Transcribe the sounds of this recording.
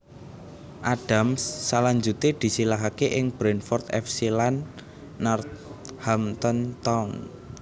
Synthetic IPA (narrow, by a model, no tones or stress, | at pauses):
ʔaɖ̥a̤msːalaɲd͡ʒut̪ed̪̥i̤silaɦakeʔɪŋb̥ɾɛnfɔrt̪ɛ̰fsilanː | ɔrt̪̚hamt̪ɔnt̪aun